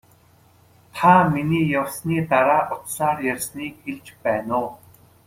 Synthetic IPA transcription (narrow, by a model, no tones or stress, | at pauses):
t̪ʰaminiːjawsniːt̪aɾaːʔʊt̪saːrjarʲsniːkxeɮt͡ɕpæːnʊː